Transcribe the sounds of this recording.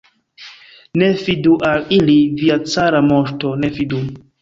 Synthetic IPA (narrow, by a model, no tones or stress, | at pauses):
ne̞viduʔaliliviat͡saɾamoʃto̞ne̞vidu